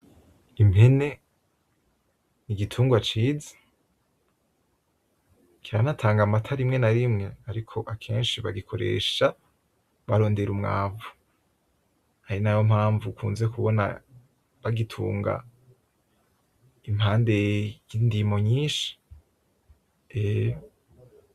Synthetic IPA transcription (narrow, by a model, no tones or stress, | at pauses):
imhe̞ne̞ | niɡitʰuːŋɡwat͡ʃiːzḁ | kiɾanatʰaːŋɡamatʰaɾimŋe̞naɾimŋe̞aɾikʰo̞ʔakʰe̞ːnʃiβaɡikʰo̞ɾe̞̰ːʃa | βaɾo̞ːnde̞ɾumŋa̰ːvu | haɾinajomhaːɱvukʰuːnzekuβo̞na̰ | βaɡitʰṵːŋɡa̰ | imhaːnde̞jindimo̞ɲiːnʃi̥ | ejo